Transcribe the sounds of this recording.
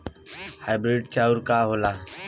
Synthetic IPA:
haːjbɾiːɖt͡ʃaːuɾkaːɦoːlaː

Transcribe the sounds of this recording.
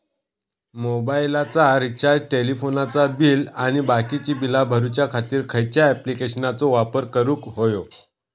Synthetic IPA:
mobailat͡saɾit͡ɕaʈelifonat͡sabilañibakit͡ɕiːbilabʱəɾut͡ɕjakʰat̪iːɾkʰəjt͡ɕjaɛplikeɕənat͡soʋapəɾkəɾũːkɦojo

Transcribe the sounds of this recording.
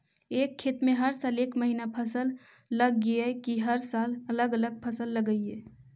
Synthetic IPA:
eːkʰːeːt̪mẽɦəɾsaːleːkməɦinapʰəsəlː | əɡːiekiɦəɾsaːlələɡələɡ̚pʰəsəlːəɡəie

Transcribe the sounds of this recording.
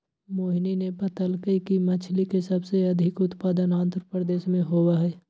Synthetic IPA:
moːɦninepɐt̪əlkəikimɐt͡ʃʰlikesɐbseɐd̪ʱɪkʊt̪paːd̪ənãːnd̪ʱɾəpɾəd̪eːʃmẽɦowaɦɛː

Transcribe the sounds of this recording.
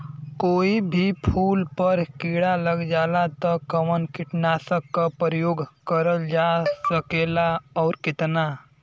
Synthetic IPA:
koːibʱipʰuːlpəɾkiːɽaləɡd͡ʒaːlat̪ɔkəʋənkɪʈnaːsəkːapɾəjoːɡkəɾəld͡ʒasəkeːlaɔːɾkɪt̪na

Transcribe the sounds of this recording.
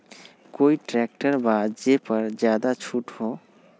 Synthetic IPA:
koːiʈɾɛk̚ʈəɾbaːd̪d͡ʒepəɾd͡ʒjaːd̪at͡ʃʰuːʈɦo

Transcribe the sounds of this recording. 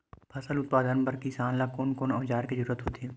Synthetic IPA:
pʰɐsəlʊt̪̚paːd̪ənpɐɾkisaːnlakoːnkoːnɔ̃ːd͡ʒaːɾkizɐɾuːɾət̪ɦoːt̪iɦɛ

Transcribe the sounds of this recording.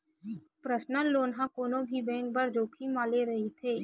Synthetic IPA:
pɾəsnəloːnɦãkoːnõbʱibɛ̃ːŋk̚bɐɾd͡ʒoːkʰimaːleɾɐɦet̪ʰeː

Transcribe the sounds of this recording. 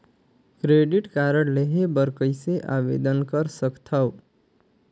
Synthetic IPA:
kɾeːɖɪʈkaːɾəɽleɦebəɾkəɪseʔa̰ːʋḛd̪ənkəɾsəkt̪ʰəw

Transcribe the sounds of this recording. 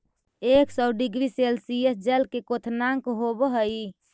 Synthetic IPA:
eksəɖiɡɾiselsiesd͡ʒəlkekot̪ʰnaŋkɦobɦəj

